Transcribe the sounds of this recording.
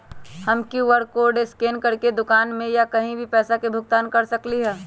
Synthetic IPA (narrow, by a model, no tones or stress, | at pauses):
hɐmkuʋəɾkoːɾɖeskeːnkɐɾked̪ʊkaːnmẽjakɐɦĩbʱipɛːsakebʱʊɡ̚t̪aːnkɐɾsɐkliɦɛː